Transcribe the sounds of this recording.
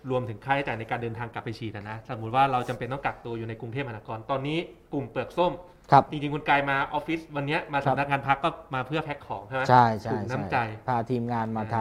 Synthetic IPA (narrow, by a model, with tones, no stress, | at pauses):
ɾu˧əmt̪ʰɯ˨˩˦ŋkʰaː˩t̪ʰa˥˩t͡ɕaː˨˩jna˧jkaː˧ndɤː˧nt̪ʰaː˧ŋkla˨˩pːa˧jt͡ɕʰiː˨˩t̪̚a˨˩na˦˥sa˨˩mːu˦˥t̪̚waː˥˩ɾa˧wt͡ɕa˧mpe˧nt̪ɔ˥˩kla˨˩k̚t̪u˧ɐjuː˨˩na˧jku˧ŋt̪ʰeː˥˩p̚ha˧naː˧˩kɔː˧nt̪ɔː˧nːiː˦˥ku˨˩mpɯ˨˩ək̚so˥˩m | kʰa˦˥p̚t͡ɕi˧ŋt͡ɕi˧ŋkʰu˧nkaː˧jmaː˧ʔɔː˦˥fi˦˥swa˧nːi˦˥ɐmaː˧sa˨˦˨na˦˥k̚ŋaː˧npʰa˦˥kːɔː˥˩maː˧pʰɯ˥˩ɐpʰɛ˦˥kʰːɔː˩˦ŋt͡ɕʰa˥˩m˦t͡ɕʰa˥˩jtt͡ɕʰauː˨˩jkna˦˥mt͡ɕa˧jpʰaː˧t̪ʰiː˧mŋaː˧nmaː˧tʰa˧